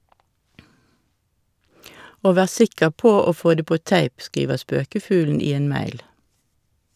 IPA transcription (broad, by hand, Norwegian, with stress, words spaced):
ˈoː ˈʋæːʁ ˈsɪkəʁ ˈpoː ˈoː ˈfoː ˈdeː ˈpoː ˈtæɪp ˈskiːʋəʁ ˈspøːkəˌfʉːln̩ ˈiː ˈeːn ˈmæɪl